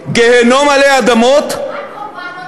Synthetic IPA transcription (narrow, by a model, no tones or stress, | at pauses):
ɡeɦenomɐleɐd̪ɐmoːt̪ʰ